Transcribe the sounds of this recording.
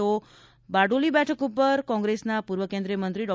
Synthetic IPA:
o | baɖulibɛʈʰəkupəɾkɔ̃ŋɡɾesnapuɾʋəkẽnd̪ɾijəmənt̪ɾiɖɔ

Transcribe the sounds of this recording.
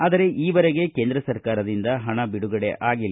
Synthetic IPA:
aːd̪ɐɾe̞ʔiːʋɐɾeɡe̞ke̞ːnd̪ɾɐsɐɾkaːɾɐd̪ind̪ɐɦɐɳɐbiɽuɡɐɽeʔaːɡilːɐ

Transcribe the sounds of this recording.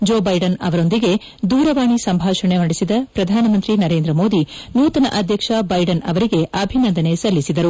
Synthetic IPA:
d͡ʒoːbɐjɖɐnɐʋɐɾo̞nd̪iɡe̞ | d̪uːɾɐʋaːɳisɐmbʱaːʃɐɳenɐɽisid̪ɐpɾɐd̪ʱaːnɐmɐnt̪ɾinɐɾeːnd̪ɾɐmo̞ːd̪inuːt̪ɐnɐʔɐd̪ʱjɐkʂɐbɐjɖɐnɐʋɐɾiɡe̞ʔɐbʱinɐnd̪ɐne̞sɐlːisid̪ɐɾu

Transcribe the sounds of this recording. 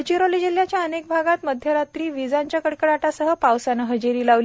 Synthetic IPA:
t͡ɕiɾolid͡ʑiljat͡ɕjaənek̚bʱaɡat̪məd̪ʱjəɾat̪ɾiːʋid͡zaɲt͡ɕjakəɽkəɽaʈasəɦəpawsanəɦəd͡ʑeɾiːlaʋli

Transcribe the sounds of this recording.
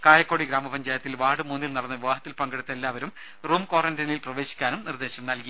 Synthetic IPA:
kaːjɐkːo̞ːɽiɡɾaːmɐpɐɲd͡ʑaːjɐt̪ːilʋaːɽɨmuːnːilnɐɽɐnːɐʋiʋaːɦɐt̪ːilpɐŋɡɐɽɨt̪ːelːaːʋɐɾum | ruːmkoːrɐndɐnilprɐʋe̞ːɕi̥kʲːaːnumnird̪e̞ːɕɐmnɐlki

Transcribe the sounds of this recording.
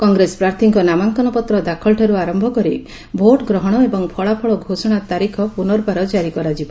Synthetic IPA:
kɔŋɡɾespɾaɾt̪ʰiŋkɔnamaŋkɔnɔpɔt̪ɾɔd̪akʰɔlʈʰaɾuaɾɔmbʱɔkɔɾi | bʱoʈɡɾɔɦɔɽ̃ɔebɔŋpʰɔɭapʰɔɭɔɡʱosɔɽ̃at̪aɾikʰɔpunɔɾbaɾɔd͡ʒaɾikɔɾad͡ʒibɔ

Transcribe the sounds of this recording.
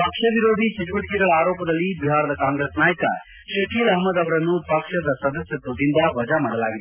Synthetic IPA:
pɐkʂɐʋiɾoːd̪ʱit͡ʃɐt͡ʃiʋɐʈkiɾɐɭɐaːɾoːpɐd̪ɐlːibiɦaːɾɐd̪ɐkaːŋɡɾesnaːjkɐ̰ | ʃɐkiɾɐɦmɐd̪ɐʋɾɐnːupɐkʂɐd̪ɐsɐd̪ɐsjɐt̪ud̪ind̪ɐʋɐd͡ʒamaɽɐla̰ːɡid̪u

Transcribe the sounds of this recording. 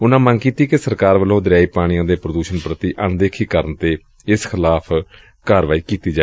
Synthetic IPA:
ʊnãːmə̃ŋkiːt̪iːkesəɾkaːɾʋəlõːd̪əɾjaːiːpaːɽ̃ɪjãːd̪eːpɾəd̪uːʃənpɾət̪iːʔənd̪eːkʰiːkəɾənt̪eː | ɪskʰɪlaːpʰ | kaːɾʋaːiːkiːt̪iːd͡ʒaː

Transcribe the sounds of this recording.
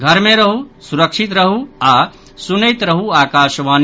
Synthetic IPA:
ɡʱəɾmẽɾəɦusuɾəkʃit̪ɾəɦua | sunəjt̪ɾəɦuaːkaːʃʋaːn

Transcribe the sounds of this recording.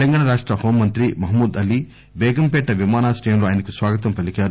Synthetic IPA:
lɐŋɡaːɳɐɾaːʂʈɾɐhoːmːɐnt̪ɾimɐɦmuːd̪ɐli | bɛːɡɐmpɛʈːɐʋimaːnaːsʈɐːjɐmloaːjɐnɐkusʋaːɡɐt̪̬ɐmpɐlikaːɾu

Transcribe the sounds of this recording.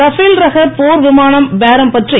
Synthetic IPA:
ɐfiːlɾɐɣɐɾpoːɾʋɪmaːnɐmbeːɾɐmpɐʈri

